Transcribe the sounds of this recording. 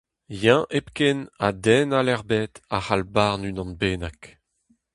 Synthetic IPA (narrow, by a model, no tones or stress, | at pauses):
jɛ̃ʔepkenadɛnalɛʁbɛt̪ahalbaʁnynɑ̃nbeːnak